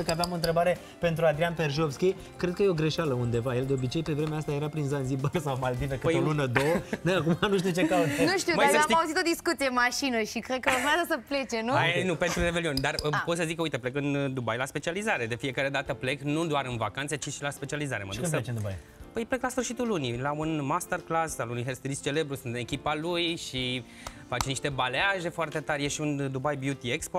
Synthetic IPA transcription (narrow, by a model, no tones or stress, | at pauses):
əkəaveamo̞ɨnt̪ɾe̞baɾe̞ | pe̞nt̪ɾuad̪ɾianpe̞rʒofskʲej | kɾed̪̚kəje̞o̞ɡɾe̞ʃaləund̪e̞vajeld̪e̞o̞bit͡ʃe̞jpe̞vɾe̞meaast̪aje̞ɾapɾinzanzibaɾsawmald̪ivekɨp̪olunəd̪oəneakumanuʃ̬t̪iut͡ʃe̞kat̪enuʃt̪iumasəaimauzit̪od̪iskut̪siemaʃinəʃikɾed̪̚kəəormeazəsəplet͡ʃenuanupent̪ɾurevelionʲd̪arpot̪səzikːəujt̪eple̞kɨnd̪ubajlaspe̞t͡ʃializaɾe̞d̪e̞fije̞kaɾe̞d̪at̪əple̞knud̪oaɾɨnvakant̪set͡ʃiʃilaspe̞t͡ʃializaɾe̞mə̰d̪ukspəet͡ʃend̪ubaj | pəjpleklasfɨrʃit̪ulunilaunmast̪erklasalunujɦerst̪ɾist͡ʃe̞le̞bɾusunt̪ɨne̞kʲipalujʃi | fat͡ʃniʃt̪e̞baleaʒe̞foart̪e̞t̪arʲjeʃiund̪ubajbjut̪iekspo